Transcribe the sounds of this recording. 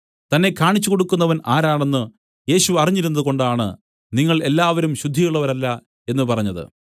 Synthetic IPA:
t̪ɐnːe̞kːaːɳit͡ɕːuko̞ɽukːunːɐʋɐnaːɾaːɳe̞nːɨ | je̞ːɕuɐriɲːiɾunːɐðuko̞ɳɖaːɳɨ̰ | niŋːɐɭe̞lːaːʋɐɾumɕud̪ʱːiɣɐɭːɐʋɐɾɐlːɐ | e̞nːɨpɐrɐɲːɐðɨ̰

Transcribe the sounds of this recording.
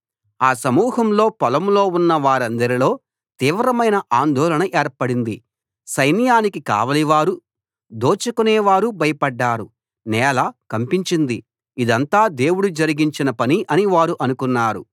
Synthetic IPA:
aːsɐmuːɦɐmlo̞ːpɐlɐmlo̞ːunːɐʋaːɾɐnd̪ɐɾilo̞ː | t̪iːʋɾɐmɐjnɐʔaːnd̪ɔːlɐɳɐʔɛːɾpɐɽind̪ḭ | sɐjnjaːnikika̰ːʋɐliʋaːɾu | d̪oːt͡ʃɐkunɛːʋaːɾubɐjɐpɐɖːaːɾu | nɛːlakɐmpiɲt͡ʃind̪i | id̪ɐnt̪aːd̪e̞ːwuɽud͡ʒɐɾiɡiɲt͡ʃinɐpɐniʔɐniʋaːɾuʔɐnukunːaːɾṵ

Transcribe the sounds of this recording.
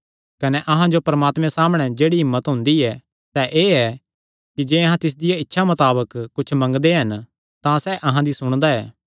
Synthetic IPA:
kɐnɛʔɐɦãd͡ʒopɐɾɐmaːt̪mɛ̃saːməɽ̃ɛd͡ʒeːɽiɦɪmːət̪ɦʊ̃nd̪iɛ | sɛʔeːɛ | kid͡ʒeːɐɦãt̪ɪs̬d̪ɪjaɪtːʃʰamɐt̪aːbəkːʊt͡ʃʰmɐ̃ŋɡd̪eɦɐn | t̪ãsɛʔɐɦãd̪isʊɽ̃d̪aɛː

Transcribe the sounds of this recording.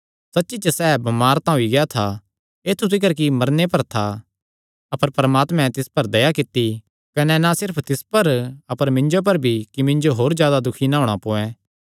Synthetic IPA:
sɐtːʃit͡ʃɐsɛːbɐmaːɾt̪ãɦʊiɡɐjat̪ʰa | eːt̪ʰut̪ʰɪk̬əɾk̬imɐɾnepɐɾt̪ʰa | ɐpəɾpɾəmaːt̪mɛ̃t̪ɪspɐɾd̪ɐjakɪt̪ːi | kɐnɛnasɪɾpʰt̪ɪspɐɾɐpəɾmɪ̃ɲd͡ʒop̬ɐɾbʱikimɪ̃ɲd͡ʒoɦoːɾzjaːd̪ad̪ʊkʰinãɦoːɽ̃apoːɛ̃ː

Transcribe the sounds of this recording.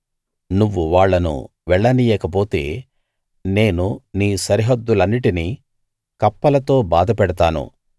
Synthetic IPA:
nuʋːuʋaːɭːɐnṵ | ʋɛɭːɐnijɛːkɐp̬o̞ːt̪e̞̰ː | ne̞ːnuniːsɐɾiɦɐd̪ːulɐnːiʈini | kɐpːɐlɐt̪o̞ːbaːd̪ɐpɛɽɐt̪aːnṵ

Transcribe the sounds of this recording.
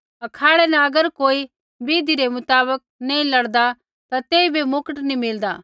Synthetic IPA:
ɐkʰaːɽɛnɐɐɡəɾkoːi | beːd̪iɾemʊt̪aːbək̚nẽĩlɐɽd̪a | t̪at̪eːibemʊkəʈnĩmɪld̪aː

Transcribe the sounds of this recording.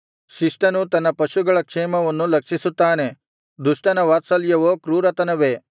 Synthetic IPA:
ʃiʂʈɐnut̪ɐnːɐpɐʃuɡɐɭɐkʂeːmɐʋɐnːulɐkʂisut̪ːaːne̞ | d̪uʂʈɐnɐʋaːt̪sɐljɐʋoːkɾuːɾɐt̪ɐnɐʋeː

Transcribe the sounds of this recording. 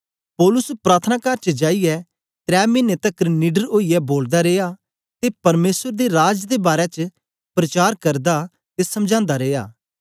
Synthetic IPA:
pɔːlʊspɾaːt̪ʰənaːkaːɾt͡ʃəd͡ʒaːijɛ | t̪ɾɛːmɪnet̪ɐkniːɖəɾoːijɛboːld̪aɾeːja | t̪epɐɾmeːsəɾd̪eɾaːd͡ʒd̪ebaːɾɛt͡ʃ | pɾɐt͡ʃaːɾkɐɾd̪a | t̪esɐmd͡ʒãːnd̪aɾeːja̰ː

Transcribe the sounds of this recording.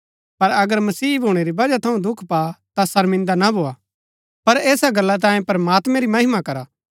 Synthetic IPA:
pɐɾɐɡəɾmɐsiːbʱoːɽ̃eɾibɐd͡ʒat̪ʰɐũd̪ʊkʰpat̪asɐɾmɪ̃nd̪anabʱoːa | pɐɾeːsaɡɐlːat̪̬ãːjẽpɐɾɐmaːt̪mɛ̃ɾimɐɦɪmakɐɾaː

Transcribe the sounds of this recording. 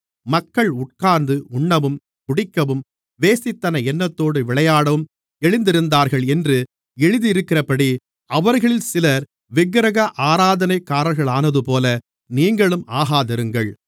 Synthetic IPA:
mɐkːɐɭʊʈ̚kaːnd̪ɯʊɳːɐʋɯm | kʊɽɪkːɐʋɯm | ʋeːsɪt̪ːɐnɐɛnːɐt̪ːoːɽɯʋɪɭɐjaːɽɐʋɯm | ɛɻɪnd̪ɪɾɯnd̪aːɾɣɐɭɛndrɯ | ɛɻɯðiɪɾɯkːɪrɐpɐɽi | ɐʋɐɾɣɐɭɪlsɪlɐɾ | ʋɪɣɾɐɣɐʔaːɾaːðɐnɐɪkːaːɾɐɾɣɐɭaːnɐðɯpoːlɐ | niːŋɡɐɭɯmʔaːɣaːt̪ɐɾɯŋɡɐɭ

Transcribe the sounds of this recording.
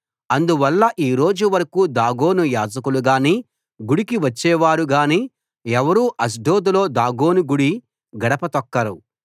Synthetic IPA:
ɐnd̪uʋɐlːɐʔiːɾo̞ːd͡ʒuʋɐɾɐkuːd̪aːɡo̞ːnujaːd͡ʒɐkuluɡaːniː | ɡuɽikiʋɐt͡ʃːɛːʋaːɾuɡaːniː | ɛʋɐɾuːʔɐs̬ɖo̞ːd̪ulo̞ːd̪aːɡo̞ːnuɡuɽi | ɡɐɽɐpɐt̪ɐkːɐɾu

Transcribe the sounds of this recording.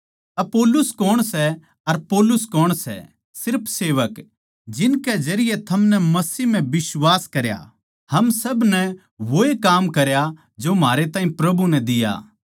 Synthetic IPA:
ɐpoːlʊskɔːɽ̃sɛ | ɐɾpoːlʊskɔːɽ̃sɛ̰ | sɪɾpʰseːʋək | d͡ʒɪnkɛd͡ʒɐɾɪjɛt̪ʰɐmnɛmɐsim̤ɛ̃bɪsʋaːskɐɾja̰ | hɐmsɐbnɛ | ʋoːekaːmkɐɾja | d͡ʒomɦaːɾet̪aːɦĩpɾɐbunɛ̃d̪ɪja̰ː

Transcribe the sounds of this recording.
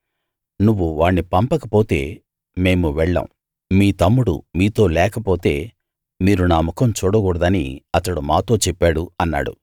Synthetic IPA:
nuʋːuʋaːɳːipɐmpɐkɐpo̞ːt̪e̞ː | me̞ːmuʋɛɭːɐ̰ːm | miːt̪ɐmːuɽṵmiːt̪o̞ːlɛːkɐpo̞ːt̪e̞ː | miːɾunaːmukɐmt͡ʃuːɽɐɡuːɽɐd̪ɐniɐt̪ɐɽumaːt̪o̞ːt͡ʃɛpːaːɽuɐnːa̰ːɽṵ

